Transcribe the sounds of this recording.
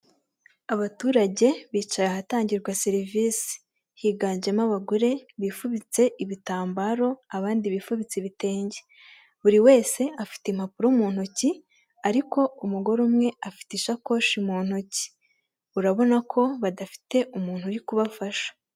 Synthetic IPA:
aβatuːɾaɟe̞βiːt͡ʃajahataːɲɟiɾɡwaseɾiviːsi̥ | hiːɡaːnd͡ʒe̞maβaɡuɾe̞βiːfuβit͡se̞ʔiβitaːmbaɾo̞aβaːndiβifuβit͡seβite̞ːɲɟe | βuɾiwe̞ːse̞afi̥tem̥apuɾoumuːn̥huci | aɾiko̞umuɡo̞ɾumŋe̞afi̥tiʃako̞ːʃimuːn̥huci̥ | uɾaβo̞nakʰo̞βadafi̥te̞ʔumuːnhuɾikuβafaʃḁ

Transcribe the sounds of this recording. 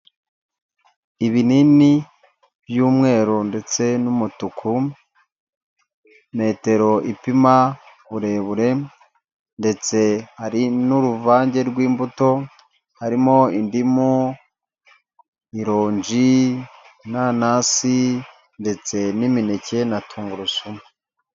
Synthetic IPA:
iβinini | bjuːmŋe̞ːɾonde̞t͡se̞numutukʰu | me̞ːte̞ɾo̞ʔipima | βuɾe̞βuɾe̞ | nde̞t͡se̞haɾinuɾuvaːɲɟe̞ɾɡwiːmbuto̞ | haɾimo̞indimu | iɾoːɲd͡ʒi | nanasi | nde̞t͡se̞niminece̞natʰuːŋɡuɾusumu

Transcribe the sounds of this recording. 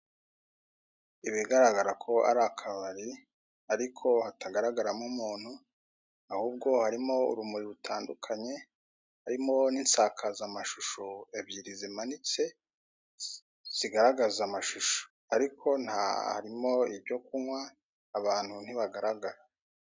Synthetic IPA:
iβiɡaɾaɡaɾakʰo̞a̰ɾakʰaβaɾi | aɾikʰo̞hataɡaɾaɡaɾamumuːn̥hu | ahuːb̚ɡo̞haɾimo̞ṵɾumuɾiɾutʰaːndukʰaɲe̞ | haɾimo̞niːnsakʰazamaʃuʃoebjiɾizimanit͡se̞ | z̥iɡaɾaɡazamaʃuʃo̥ | aɾikʰo̞n̥ha̰a̰ɾimo̞ibɟo̞kuŋwaː | βaːn̥hun̥iβaɡaɾaɡaɾa

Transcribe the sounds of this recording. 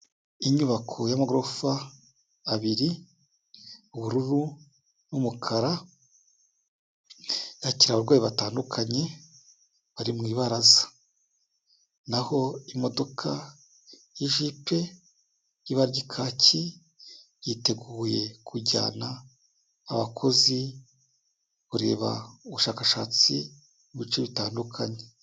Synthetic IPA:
iɲuβakʰo̞jamaɡɾofaː | βiɾi | βuɾuɾu | numukʰaɾa | jaciɾaβaɾɡwaːjiβataːndukʰaɲe̞ | βaɾimŋiːβaɾazḁ | naho̞imo̞do̞kʰa | jiʒipe̞ | jiβaɾɟikʰaːci | jite̞ɡuːje̞kʰuɾɟa̰ːnaː | βakʰo̞zi | βuɾe̞̰ːβa̰uβuʃaːkaʃaːt͡si | βit͡ʃeβitaːndukʰaɲe̞

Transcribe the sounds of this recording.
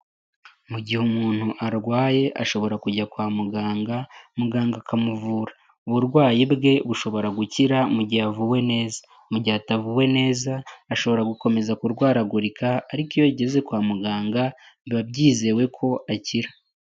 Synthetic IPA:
muɟihumuːn̥huʔaɾɡwaːje̞ʔaʃo̞βo̞ɾakuɟakwaːmuɡaːŋɡamuɡaːŋɡakamuvuːɾa | uβuɾɡwaːjibɡe̞βuʃo̞βo̞ɾaɡuciɾamuɟiavuwe̞ne̞ːzḁ | muɟiatavuwe̞ne̞ːzaːʃo̞βo̞ɾaɡuko̞me̞zakuɾɡwaːɾaɡuɾikʰaːɾikijoɟe̞ze̞kwaːmuɡaːŋɡa | βiβab̚ɟiːze̞we̞kʰo̞ʔaciɾa

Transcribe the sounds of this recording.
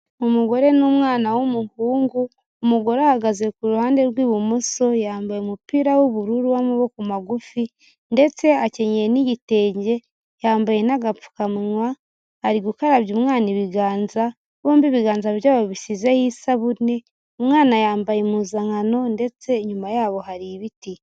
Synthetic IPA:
omuɡo̞ɾe̞nomŋaːnawomuhuːŋɡuː | muɡo̞ɾahaɡazekuɾuhaːnde̞ɾɡwiːβumuso̞jaːmbajemupiːɾawoβuɾuɾuwamuβokumaɡufi | nde̞t͡se̞ace̞ɲeniɟite̞ːɲɟe̞ | jaːmbaje̞naɡafu̥kamuɲwa | haɾiɡukaɾaβjumŋaːniβiɡaːnza | βoːmbiβiɡaːnzaβɾjaːβoβisizehisaβune̞ | umŋaːnajaːmbajemuzaŋano̞nde̞t͡se̞ɲumajaːβo̞haɾiβiti

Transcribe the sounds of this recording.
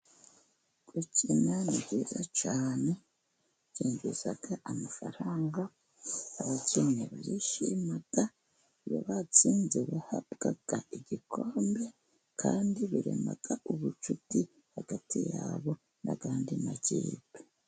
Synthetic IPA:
kucʰinaniɟizat͡ʃaːne̞ | ciːɲɡuz̥aɡ̥aʔamafaɾaːŋɡa | aβaceneβaɾiʃimata | βo̰βat͡siːnzeβahabɡ̥aɡ̥aiɟikʰoːmbe̞ | kʰaːndiβuɾḛmaɡ̥aʔuβut͡ʃuti | haɡ̥atijaβo̞ | nʔaɡaːndinaɟiːbi̥

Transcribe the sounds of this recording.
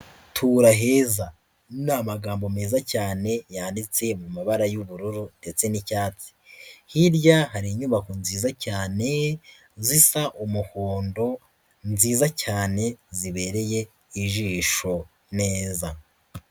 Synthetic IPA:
tʰuɾaɦe̞ːza | namaɡaːmbo̞me̞ːzacaːne̞jaːndit͡se̞mumaβaɾajuβuɾuɾude̞t͡se̞nicaːt͡si̥hiɾɟaɦaɾiɲuβakonziːzacaːne̞ | zisaʔumuhoːndo̞ | nziːzacaːne̞ziβe̞ɾe̞je̞ | iʒiːʃo̞ | ne̞ːza

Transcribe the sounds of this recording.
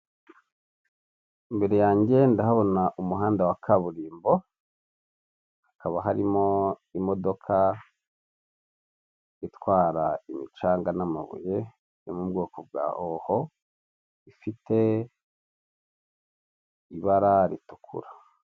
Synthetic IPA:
imbe̞ɾejaːɲɟe̞ndahaβo̞naʔumuɦaːndawakʰaβuɾiːmbo̞ | akaβaɦaɾimo̞imo̞do̞kʰa | itwaːɾaimit͡ʃaːŋɡanama̰βṵje | jomubɡoːkobɡa̰ːhoho | ifite̞ | iβaɾaɾitu̥kʰṵɾa

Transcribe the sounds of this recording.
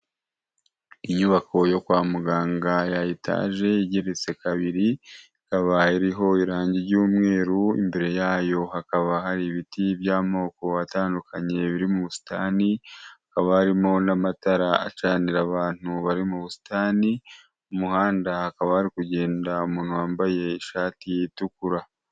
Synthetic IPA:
iɲuβakʰo̞jo̞kwaːmuɡaːŋɡajajita̰ːʒe̞iɟeɾet͡se̞kaβiɾi | kaβaiɾiɦo̞iɾaːɲɟiɾɟuːmŋe̞ːɾuḭmbe̞ɾe̞jaːjo̞hakaβahaɾiβitiβjaːmo̞ːko̞ataːndukʰaɲe̞βiɾimuβusi̥taːniakaβahaɾimo̞namataɾaa̰t͡ʃaːniɾaβaːn̥huβaɾimuβusi̥taːni | umuhaːndahakaβahaɾikuɟe̞ːndaumuːn̥huwaːmbaje̞iʃaːtijitukuɾa

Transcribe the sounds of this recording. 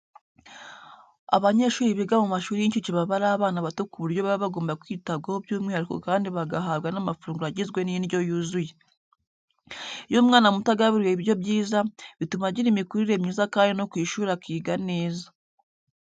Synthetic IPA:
aβaɲe̞ːʃuːɾiβiɡamumaʃuːɾiiɲcut͡ʃiβaβaɾaːβaːnaβatukuβuɾjo̞βaβiβaɡo̞ːmbakwiːtaβɡahobjuːmŋehaɾiko̰kaːndiβaɡaɦaːβɡanamafuɾuːŋɡuɾaɟizɡwe̞ninjo̞juzuje | jomŋaːnamutaɡaβiɾweβiɾjo̞bjiːzaβitumaɟiɾimikuɾiɾe̞mɲiːzakaːndino̞kwiːʃuːɾakiːɡane̞ːzḁ

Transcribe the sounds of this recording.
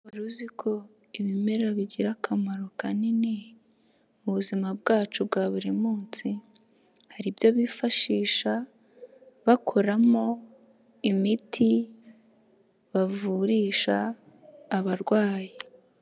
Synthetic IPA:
βuɾuzikʰo̞ | iβime̞ɾeɾaβiɟiɾakʰamaɾo̞kanine̞ | uβuzimab̚ɡaːt͡ʃub̚ɡaːβuɾimuːnt͡si | haɾibjoβifaʃiːʃa | βakʰo̞ɾamo̞ | imitʰi | βavuɾiːʃaː | βaɾɡwaːji

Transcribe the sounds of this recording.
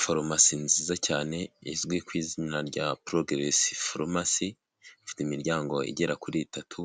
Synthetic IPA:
foɾomasinziːzacaːne̞izɡwikwiːziɲnaɾɟapɾoɡɾesi̥foɾmasi | ifi̥timiɾɟaːŋɡo̞ḭɟe̞ɾakuɾitʰatʰu

